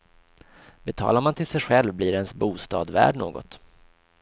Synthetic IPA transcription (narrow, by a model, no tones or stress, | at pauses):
bɛt̪ʰɑ̰ːlaɾmant̪ʰɪlsɛjɧɛlvbliːɾɛnsbuːst̪ɑːd̪væ̰ːɖɳo̰ːɡɔ̰t̪